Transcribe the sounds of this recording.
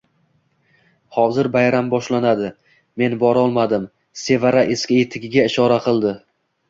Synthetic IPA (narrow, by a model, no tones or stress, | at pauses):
hɒzɪɾbajɾambɒʃlanad̪ɪ | me̞nbɒɾɒlˠmad̪ɪm | se̞vaɾaʔeskʲɪjet̪ʰɪɡʲɪɡʲaɪʃɒɾaqʰɨlˠd̪ɪ